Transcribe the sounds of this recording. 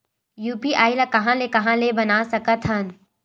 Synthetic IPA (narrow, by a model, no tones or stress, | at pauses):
juːpiʔaːilakɐɦãlekɐɦãlebɐnaːsɐkət̪ɦən